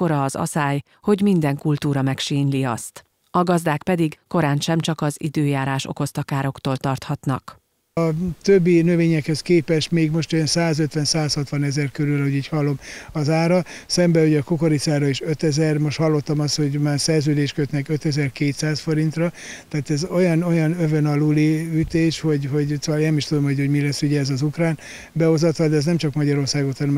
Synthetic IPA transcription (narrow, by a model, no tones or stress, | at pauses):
o̞ɾɒːzɒ̰saːj | ho̞ɟmind̪ɛŋkult̪uːɾɒmɛkʃiːɲliɒ̰st̪ | ɒɡɒzd̪aːkpɛd̪iɡko̞ɾaːnʃɛmt͡ʃɒkɒzḭd̪øːjaːɾaːʃo̰ko̞st̪ɒkaːɾo̞kt̪oːlt̪ɒrt̪hɒt̪nɒ̰k | ɒt̪øbːinøveːɲɛkhɛskeːpɛʃt̪meːɡmo̞ʃt̪ojnsaːzøt̪ʋɛnsaːshɒt̪ʋɒnɛzɛrkøɾylɒhoɟiːchɒlːo̞mɒzaːɾɒsɛmbɛuɟɛːkokoɾit̪saːrɒiʃø̞t̪ɛzɛrmoʃthɒlːo̞t̪ːɒmɒst̪ho̞ɟmaːrsɛrzøːd̪eːʃkøt̪nɛkøt̪ɛzɛrkeːt̪saːsfo̞ɾint̪rɒt̪ɛaːt̪ɛzo̞jɒno̞jɒnøvønɒluliyt̪eːʃho̞ɟho̞ɟsoʋɒleːnɛmiʃt̪ud̪o̞mho̞oɟmilɛsːuɟɛːzɒzukraːn | bɛo̞zɒt̪ʋɒld̪ɛznɛmt͡ʃɒkmɒɟɒɾo̞rsaːɡot̪hɒnɛm